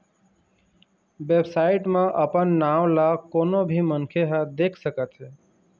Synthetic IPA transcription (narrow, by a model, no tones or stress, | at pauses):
ʋeːbsaːɪʈmãʔəpənːaːʋlakoːnobʱiːmənkʰeɦəd̪eːkʰsəkət̪ɦeː